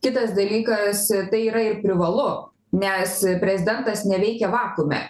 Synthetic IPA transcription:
kʲɪt̪ɐsd̪ɐlʲiːkɐst̪ɐɪiːɾɐɪrpʲɾʲɪʋɐlˠʊ | nʲɛspʲɾʲɛzʲɪd̪ʲɛnt̪ɐsnʲɛʋʲɛɪkʲɛʋɑːkumʲɛ̰

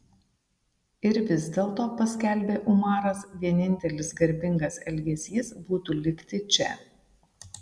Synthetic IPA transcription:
ɪɾʋʲɪzʲd̪ʲeːlˠt̪oːpɐsʲkʲælʲbʲeːʔʊmɑːɾɐsʋʲiɛnʲɪnʲt̪ʲɛlʲɪsɡɐɾʲbʲɪŋɡɐsɛlʲɡʲɛsʲiːsbuːt̪uːlʲɪkt̪ʲɪt͡ʃʲɛ

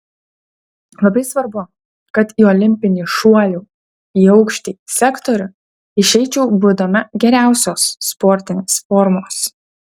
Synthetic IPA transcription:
lˠɐbɐɪsʋɐɾbʊ | kɐt̪iɔlʲɪmʲpʲɪnʲɪʃuɔlʲuː | iːɒʊkʃʲt̪ʲiːsʲɛkt̪ɔɾʲʊ | ɪʃʲɛɪt͡ʃʲɛʊbʊd̪ɐmʲɐɡʲɛɾʲæˑʊsʲoːsːpɔɾʲt̪ʲɪnʲeːsfɔɾmoːs

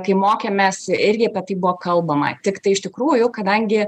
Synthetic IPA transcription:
kɐɪmoːkʲeːmʲeːsɪɾʲɡʲɪɐpʲɛt̪ɐɪbʊʋoːkɐlˠbɐmɐ̰t̪ʲɪkt̪ɐɪɪʃt̪ʲɪkɾuːjʊkɐd̪ɐŋʲɡʲɪ

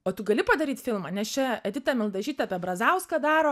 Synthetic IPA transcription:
oːt̪ʊɡɐlʲɪpɐd̪ɐɾʲiːt̪fʲɪlˠmɐːnʲɛst͡ʃʲɛɐd̪ʲɪt̪ɑmʲɪlˠd̪ɐʒʲiːt̪ʲɛɐpʲɛbɾɐzɐʊskɐd̪ɑːɾoː

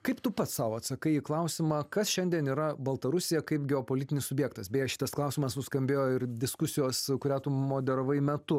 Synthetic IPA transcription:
kɐɪpt̪ʊpɐt̪sɑːʋoːɐt̪sɐkɐɪiːklˠɐʊsʲɪmɑːkɐsʃʲɛnʲd̪ʲiɛniːɾɐbɐlˠt̪ɐɾʊsʲɪjɛkɐɪpɡʲɛoːpoːlʲɪt̪ʲɪnʲɪsʊbʲjɛːkt̪ɐsbʲeːjɛʃʲɪ̥t̪ɐsklˠɐʊsʲɪmɐsnʊskɐmʲbʲeːjoːɪrd̪ʲɪskʊsʲɪjoːskʊɾʲæːt̪ʊmoːd̪ʲɛɾoʋɐɪmʲɛt̪ʊ

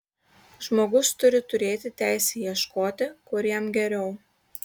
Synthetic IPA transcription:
ʒmoːɡʊst̪ʊɾʲɪt̪ʊɾʲeːt̪ʲɪt̪ʲæˑɪsʲejiɛʃkoːt̪ʲɪkʊɾʲjiɛmɡʲɛɾʲɛʊ

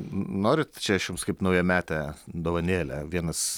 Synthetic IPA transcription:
noːɾʲɪt̪t͡ʃʲɛʃjʊmskɐɪpnɐʊjɛmʲæːt̪ʲɛd̪oːʋɐnʲeːlʲɛ̰ʋʲiɛnɐs

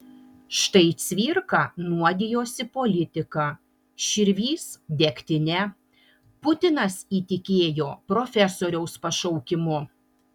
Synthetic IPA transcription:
ʃt̪ɐɪt̪sʲʋʲiːɾkɐnuɔd̪ʲɪjoːsʲɪpoːlʲɪt̪ʲɪkɑ | ʃʲɪɾʲʋʲiːsd̪ʲɛkʲt̪ʲɪnʲɛ | pʊt̪ʲɪnɐsiːt̪ʲɪkʲeːjoːpɾoːfʲɛsoːɾʲɛʊspɐʃɐʊkʲɪmʊ

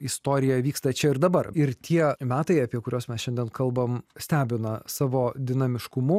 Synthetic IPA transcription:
ɪst̪oːɾʲɪjɛʋʲiːkst̪ɐt͡ʃʲɛɪɾd̪ɐbɐrɪɾt̪ʲʰiɛmʲæːt̪ɐɪɐpʲiɛkʊɾʲoːsmʲɛsʃʲɛnʲd̪ʲɛnkɐlˠbɐmsʲt̪ʲæːbʲɪnɐsɑːʋoːd̪ʲɪnɐmʲɪʃkʊmʊ

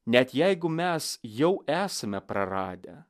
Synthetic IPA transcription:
nʲɛt̪jæɪɡʊmʲɛsjɛʊʔæːsɐmʲɛpɾɐɾɑ̰ːd̪ʲɛ̰

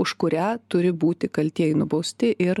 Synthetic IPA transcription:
ʊʃkʊɾʲæːt̪ʊɾʲɪbuːt̪ʲɪkɐlʲt̪ʲiɛjɛnʊbɒʊsʲt̪ʲɪʔɪɾ

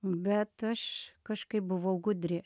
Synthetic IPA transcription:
bʲɛt̪ɐʃkɐʃkɐɪp̚bʊʋɐʊɡʊd̪ʲɾʲɪ

